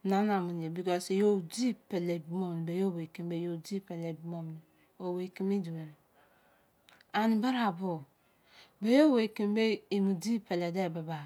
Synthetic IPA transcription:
na˦na˨mu˨n˨je˨bi˨kɔ˦si˨jo˦˨di˦pe˨le˨bmo˦m˨n˨be˨jo˦˨we˨ki˦˨m˦be˨jo˨d͡ʒi˦pe˨le˨bu˦mo˦m˨n˨ | o˨we˨ki˦mi˦du˨we˨ɾ | a˨ni˨ba˦ɾa˨bo˨ | be˨jo˦we˨ke˨m˦be˦i˨mu˨di˦pe˨le˨de˦˨ba˨ba˨

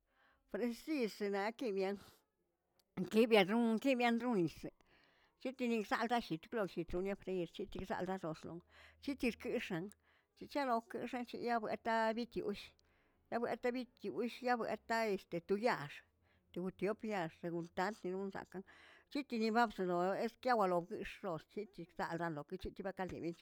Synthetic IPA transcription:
pɾe˧si˦˧se˧na˨˦ki˦bja˧ŋ | ŋki˦bja˧d̪ɾu˦ki˦bja˦nɾu˦ni˨se˨ | t͡ʃi˦t̪i˧ni˧ksa̰˧ld̪a˦ʃi˨˧t̪klo˧kʃi˧t̪ɾu˧nja˦fɾe˧i˧ɾt͡ʃi˦t̪i˧ksa̰˧ld̪a˦d̪o˨ʂlo̰˨ŋt͡ʃi˦t̪i˧ɾkɨ˦ʂa˧ŋ | t͡ʃi˧t͡ʃa˦lo˧kɨ̰˧˦ʂa˦nt͡ʃḭ˧ja˦bwḛ˧t̪a˦bi˦t̪jṵ˨˦ʃ | ja˦bwḛ˨˧t̪a˦bi˦t̪ju˨ʃja˦bwḛ˨t̪a˦e˨st̪e˨t̪u˧ja˧ʂ | t̪e˧˨ɡu˧t̪jo˦pja˧ʂt̪e˧ɡu˧nt̪a˧nt̪ni˧ɾu˦nsa̰˨ka˧ŋt͡ʃi˦t̪i˧ni˧ba˦bse˧˨lo˨e˦skja˦wa˧lo˨bɡɨ˧ʂɾo˨st͡ʃi˦t̪i˧ksa̰˦˧ld̪a˦˧nlo˨ki˧˦t͡ʃi˦t̪i˧ba˦ka˧lḛ˨be˧nt͡ʃ

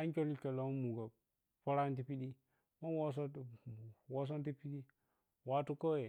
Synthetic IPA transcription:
a˦ŋkʲo˦li˦ke˨lo˨˦m˦mu˨ɡa˨ | po˦ɾa˦nt̬i˦pi˦ɗi˦ | ma˦wo˦s̬o˦ | wo˦s̬o˦n˦ti˦pi˦di˦ | wa˦tu˦ko˦je˨

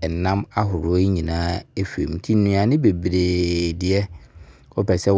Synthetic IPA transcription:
nã˦ma˦ɦʊ˨ɾʊ˨˦ɔ˦ɲĩ˨nãː˦e˦fḛ˨m˨tʰi˦nʊ̃˨a˨nɪ̃˦be˨bɾe˨dɪ˨ɛ˦ | ɔ˦pʰɛ˨sɛ˦

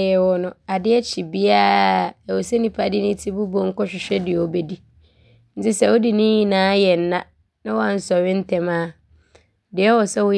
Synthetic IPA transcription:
ɛ˨wɔ˦nʊ̃˨a˨dɪ˦ɛ˦t͡ɕʰi˨bi˦aː˦˨ɛ˨wo˨sɛ˦nĩ˨pʰa˨dɪ˦nɪ̃˦tʰi˦bu˦bɔ˨ŋ̩˦kɔ˦ɕᶣɪ˨ɕᶣɛ˦dɪ˨ɛ˨ɔ˨bɛ˨di˦ | n̩˦t͡sɪ˦sɛ˨wo˦di˨nɪ̃˦jĩ˦nãː˨˦jɛ˨n̩˨nã˦ | nã˦wɔ˦a˨n̩˦sɔ˨ɪ̃˦n̩˦tʰɛ˨mãː˦ | dɪ˨ɛ˦wɔ˨sɛ˦wʊ˦

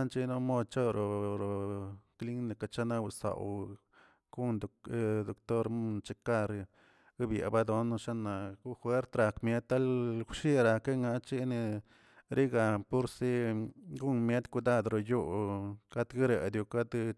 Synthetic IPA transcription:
nt͡ʃi˦no˦mo˦d̪̚t͡ʃo˦ɾo˨ɾo˨kli˦ŋne˨ka˧t͡ʃa˦na˦wsa̰˨w | ɡ̥u˦nd̪d̪o˨kt̪o˦ɾmu˦nt͡ʃe˦ka˦˧ɾ | ɡa˦bjḛ˨ba˦d̪o˧n˧ʂa˦na˨ɡu˦xwe˦ɾt̪ɾa˨kmje˦t̪ːa˦lkʷʃi˦ɾa˨ke˦ŋa˧t͡ʃi˦ne˧ | ɾi˦ɡa˨pu˦ɾsi˦ɡu˦nme˦t̪ku˧d̪a˦d̪ɾo˨ju˦ka˦d̪ɡi˦ɾe˨d̪ju˧ka˦d̪

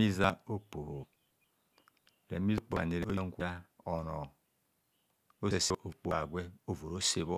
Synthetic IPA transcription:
i˦za˦o˦k͡po˨ho˨ | ɾe˨˦mi˦k͡po˨a̰˨ni˨ɾe˦o˦je˦ŋ̩˦kʷe˦a˦o˨nɔ˨ | o˦e˨se˦ʔo˨k͡po˨a˨ɡʷe˦o˦vo˨ɾo˦se˦βo˦

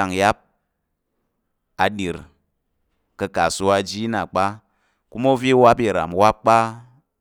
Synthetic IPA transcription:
a˨ŋja˦p̚ | a˧ɗi˨ɾ | kɐ˧ka˨su˧a˧d͡ʒi˦na˨k͡pa˦ | ku˦mo˦vi˦wa˦p̬i˦ɾa̰˨m˨wa˦p̚k͡pa˦

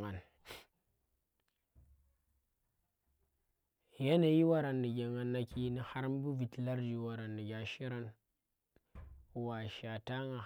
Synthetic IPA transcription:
a˨n | ja˦na˨ji˦wa˦ɾa˨nːi˨ɡe˨ŋa˨nːa˨ki˦ni˦ha˦ɾm˦bu˦vi˨tla˦ɾd͡ʒi˨wa˨ɾa˨nːi˨ɡʲa˨ʃi˦ɾa˦n˨ | wa˨ʃa˨ta˦ŋa˨

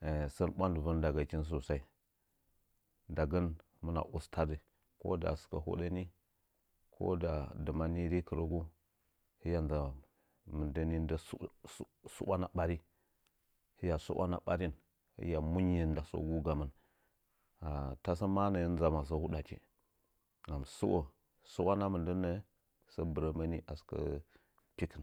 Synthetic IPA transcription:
sə˦nɓʷa˦ndə˨və˦nda˨ɡa˨t͡ʃi˦n˦s̬o˨sa˦i˦ | nda˨ɡə˦n | mə˦na̰˨ʔu˦stʰa˦di˨ | ko̰˦da̰˨sə̥˨ka˨ɦṵ˦ɗa˦ni˦ | kʰo̰˦da˨də˨ma˦ni˦ɾi˦kə˨ɾə˦ɡu˦ | hi˦ja˨nza˨ | mə˨ndə˦ni˦n˦də˦ssṵ˦ɓa˦na˨ɓa˦ɾi˦ | hə˦ja˨sṵ˦a̰˦na̰˦ɓa˦ɾi˦n | hḭ˦ja˨mu˦ɲ˦i˨n˦da˨so̰˦ɡu˦ɡa˨mə˦n | a˨ta˦sə˦ma˦nə˨ji˦nza˨ma˨s̬ə˦hu˦ɗa˨t͡ʃḭ˨ | ŋa˨m˨sṵ˦wo˨ | su˦wa˦na˦mə˨ndə˦nə˦ | sə˦bə˨ɾə˨ma˦ni˦ʔa˨skə̰˦ | pi˦ki˨n

